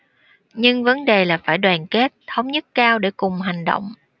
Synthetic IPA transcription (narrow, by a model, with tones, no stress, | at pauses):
ɲɨ˧ŋvə˨˦nɗe˨˩laː˨˩faː˧˩jɗwaː˨˩nke˦˥t̚t̪ʰə˨˦wŋ͡mɲə˦˥t̚kaː˧wɗe˧˩kʊ˨˩ŋ͡mɦa˨˩jŋ̟ɗo̰˧˨wŋ͡m